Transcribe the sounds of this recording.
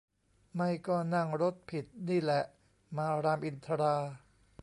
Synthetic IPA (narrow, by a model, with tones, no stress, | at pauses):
ma˥˩jkɔː˥˩na˥˩ŋɾo˦˥t̪̚pʰi˨˩t̪̚niː˥˩lɛ˨˩ʔ | maː˧ɾaː˧mʔi˧nt̪ʰa˧ɾaː˧